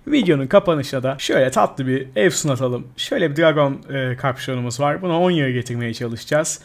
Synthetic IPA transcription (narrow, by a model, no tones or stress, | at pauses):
vid̪jo̞nunkʰapanɯʃɯnad̪aʃøjlʲɛt̪ʰat̪lˠɯbiɛvsunat̪ʰalˠɯmʃøjlʲɛbid̪ɾaɡo̞nɯːkʰaɾpʃo̞numuzvaɾbunao̞njɯɾɯɟe̞t̪ʰiɾme̞jɛt͡ʃʰalˠɯʃd͡ʒaz̥